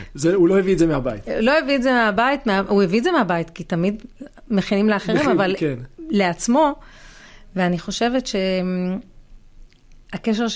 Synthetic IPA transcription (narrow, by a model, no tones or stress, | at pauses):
zeuloeviezemeabaitulo̞eviezemeabajitmeaueviːzemeabajitkitamid | me̞χinimleaχeʁimavalkenle̞at͡smo̞ | veaniχo̞ʃe̞ve̞tʃe̞ | akeʃ̬eʁʃ